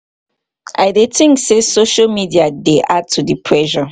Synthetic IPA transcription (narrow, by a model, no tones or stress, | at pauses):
ʔa̰ɪdetɪ̃ŋksesoʃalmidiadeʔad̚tʰudipʰɹɛʃɔ